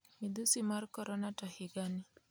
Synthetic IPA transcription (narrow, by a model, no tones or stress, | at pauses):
mid̪usimaɾkɔɾɔnatɔhiɡani